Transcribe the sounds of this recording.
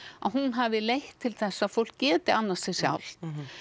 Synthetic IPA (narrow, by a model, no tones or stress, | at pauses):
aðɦunɦavðɪlejht̪ʰːɪlθɛsaðfowl̥kcɛːt̪ɪanːast̪ʰɪsja̰wl̥